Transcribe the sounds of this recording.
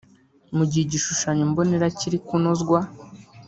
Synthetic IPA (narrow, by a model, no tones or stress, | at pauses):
muɟiiɟiʃuʃaɲombo̞neɾaciɾikunozɡwa